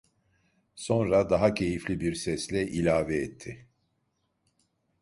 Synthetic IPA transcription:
so̞nɾad̪aɦacʰe̞jiflʲibiɾsɛslʲɛʔilʲaːvɛɛt̪ʰːɪ

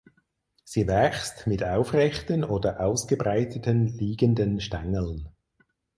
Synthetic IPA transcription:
z̥iːvɛxstmɪtaʊfʁɛxtənoːdɐʔaʊsɡ̥əbʁaɪtʰətənliːɡəndənʃta̰ŋəl̩n

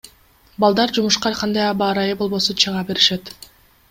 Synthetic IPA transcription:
bɑlˠd̪ɑɾd͡ʒumuʃqɑqʰɑnd̪ɑjɑbɑːɾɑjɯbo̞lˠβo̞sunt͡ʃʰɯʁɑbe̞ɾiʃe̞t̪

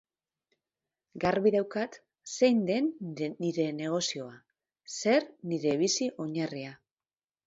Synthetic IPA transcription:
ɡaɾβiðawkat̪ | sejnd̪e̞nːiɾe̞ne̞ɣ̞o̞sio̞a | se̞ɾniɾe̞β̞isiʔo̞ɲaria

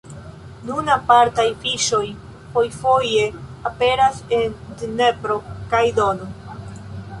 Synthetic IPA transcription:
nunapaɾtajfiʃo̞j | po̞jfo̞je̞ape̞ɾase̞ndnepɾo̞kajdono

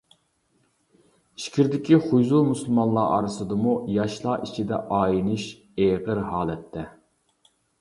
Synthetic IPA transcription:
i̥ʃkʲʰiɾd̪ɪkʲiχujzumusɨlˠmɑnlˠɑ̰ːʔɑ̰ɾɨsɨd̪ɨmujɑʃlˠɑʔit͡ʃʰid̪ɛ̰ʔɑːjinɨʃ | eʁəɾɦɑːlˠɛt̪ʰːɛ

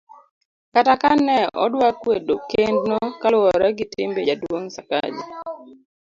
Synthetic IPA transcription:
katakanɛɔ̰dwakwedokendnɔkalʊɔɾaɡɪtɪmbed͡ʒadwoŋsaka̰d͡ʒi

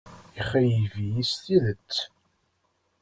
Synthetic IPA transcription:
iχːæjivijist̪iðət͡sː

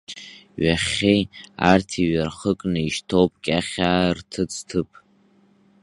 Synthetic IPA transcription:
ɥaχʲeja̰rtʰiɥarχəkʼnɨiʃtʰowpʼkʲʼaχʲaːrtʰɨt͡sʰʼtʰɨpʼ

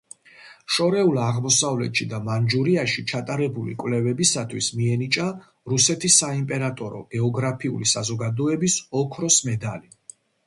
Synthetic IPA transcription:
ʃɔɾɛulˠaʁmɔsavlɛ̰t̪ʃid̪amand͡ʒuɾiaʃit͡ʃʰat̪ʼaɾɛbulḭkʼwvlɛvɛbisat̪ʰwismiɛnit͡ʃʼa | ɾusɛt̪ʰisːaimpʼɛɾat̪ʼɔɾɔ̰ɡ̥ɛɔɡɾapʰiṵlisazɔɡad̪ɔɛbisɔkʰɾɔsmɛd̪ali

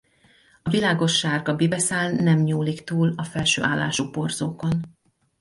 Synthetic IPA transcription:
ɒvilaːɡo̞ʃːaːɡɒbibɛsaːlnɛmɲuːlikt̪uːlɒfɛlʃø̰ːʔaːlːa̰ːʃupo̞rzoːko̞n

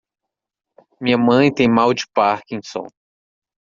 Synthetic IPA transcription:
mĩɲɐmɐ̃j̃t̪ẽj̃mawd͡ʒɪpaɾkĩj̃sõ̰

